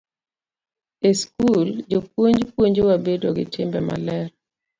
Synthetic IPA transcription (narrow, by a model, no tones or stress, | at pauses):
eskuld͡ʒokwoɲd͡ʒpwoɲd͡ʒowabedoɡɪtʰɪmbɛma̰lɛɾ